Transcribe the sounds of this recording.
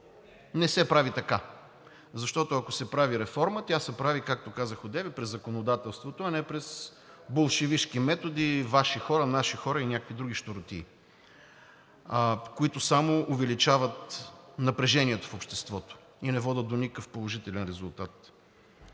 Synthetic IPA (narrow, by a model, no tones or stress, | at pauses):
nɛsɛpɾavit̪ɐka | zɐʃt̪ɔt̪oɐkosɛpɾaviɾɛfɔɾmət̪ʲjasɛpɾavikak̚t̪okazəxod̪ɛvɛpɾɛzːɐkonod̪at̪ɛlˠst̪vot̪oɐnɛpɾɛs | bolˠʃɛviʃkimɛt̪od̪ivaʃixɔɾənaʃixɔɾəinʲakəkvid̪ɾuɡ̟iʃt̪oɾot̪ḭː | koit̪osamoʊvɛlit͡ʃavət̪nɐpɾɛʒɛniɛt̪o̥fopʃt̪ɛst̪vɔt̪o̥ | inɛvɔd̪ʲət̪̚d̪onikkəfpolˠoʒit̪ɛlɛnɾɛzʊlˠt̪at̪̚